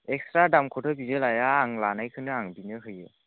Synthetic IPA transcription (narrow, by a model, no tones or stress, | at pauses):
ɛk̚stɾadamkʰɔtʰɯbizɯlajaːŋlanajkʰɯnɯaŋbinɯɦɯjɯ